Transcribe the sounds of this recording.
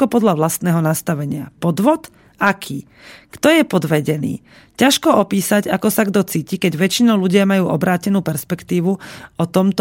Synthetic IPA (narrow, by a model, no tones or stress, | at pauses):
kɔpɔd̪ʎaʋlast̪nɛːɦɔnast̪aʋɛɲɪa̰pɔd̪ʋɔt̪ | akʰiː | kt̪ɔjɛpɔd̪ʋɛɟɛnḭː | caʃkɔɔpiːsaɟakɔsaɡd̪ɔt͡siːcikɛɟʋɛt͡ʃinɔʊluɟɪamajuːʔɔbɾaːcɛnuːpɛɾspɛkt̪iːʋuɔt̪ɔmt̪